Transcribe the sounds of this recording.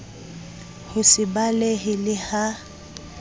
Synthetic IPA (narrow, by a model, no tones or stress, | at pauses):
hʊsɪbaleɦɪlɪha